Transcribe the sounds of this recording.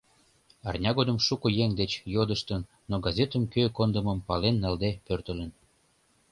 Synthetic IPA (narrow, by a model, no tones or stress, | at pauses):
ɑrnʲɑɣod̪əmʃukəjeŋd̪et͡ɕjod̪əʃt̪ənːoɡɑzʲet̪əmkøkond̪əməmpɑlenːɑld̪epørt̪ə̆lə̆n